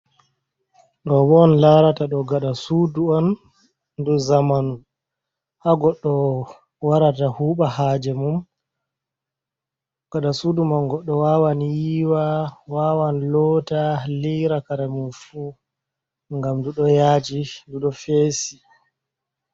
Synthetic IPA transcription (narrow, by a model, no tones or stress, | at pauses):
ɗɔbɔnlaɾataɗɔɡaɗasuːduɔn | duzamanu | haɡɔɗːɔ | waɾatahuːɓahad͡ʒɛmum | ɡ̥aɗasudumanɡɔɗːɔwaːwanjiːwawaːwanlɔtaliɾakaɾɛmumfuː | ŋɡamduɗɔjad͡ʒiduɗɔfeːsi